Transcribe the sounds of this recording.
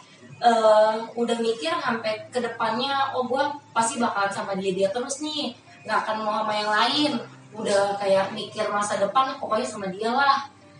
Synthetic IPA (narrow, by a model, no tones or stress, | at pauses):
ʔəːudahmikɪrɦampɛkədəpanɲaɔbuahpast̪ibakalansamadiadiat̪əɾʊsni | ŋɡakanmoɦamajaŋlaɪn | udahkajaʔmikɪrmasadəpanpokojasamadialah